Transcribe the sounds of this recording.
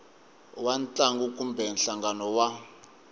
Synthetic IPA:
want͡ɬʼaŋɡukʼumbɛnɬaŋɡanɔwa

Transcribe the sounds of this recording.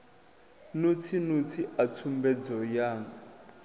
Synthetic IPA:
nut͡sʰinut͡sʰiʔat͡sʰumbɛd͡zɔjaːŋa

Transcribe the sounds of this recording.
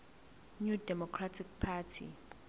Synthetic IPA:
ɲudɛmɔkʰratʰik̚pʰatʰḭ

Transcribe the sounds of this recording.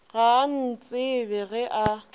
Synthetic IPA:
ɣan̩t͡sʼɪbɛɣɛʔa

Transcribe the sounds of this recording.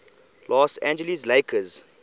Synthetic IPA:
lɔsæ̃nd͡ʒəlisleɪkʰəz

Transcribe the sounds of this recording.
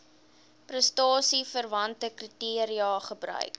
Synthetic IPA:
prəstɑːsifərvɐntəkritiəɾiɑːχəbɾœ̰ɥk

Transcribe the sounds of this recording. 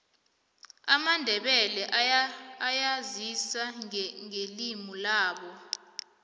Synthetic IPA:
amandʱɛɓɛlɛʔajazisaŋelimulaːɓɔ

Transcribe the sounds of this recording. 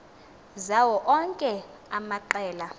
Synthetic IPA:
zawɔʔɔŋkʼɛ | amaǃɛːla

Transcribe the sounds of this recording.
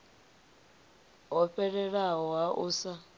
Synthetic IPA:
ɔɸɛɺɛɺaɦɔwaʔʊsa

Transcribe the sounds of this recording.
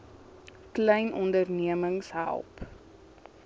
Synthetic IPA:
klɛjnʔɔndərniəməŋsɦæ̰lˠp

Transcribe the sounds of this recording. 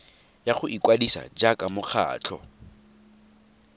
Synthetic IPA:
jaχʊʔikʼwadisa̰d͡ʒakʼamʊχʰa̰ːt͡ɬʰɔ̰

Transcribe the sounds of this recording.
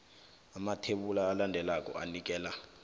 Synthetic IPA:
amatʰeɓulaːlandʱɛlakʼɔ̰a̰nik̬ʼɛːla

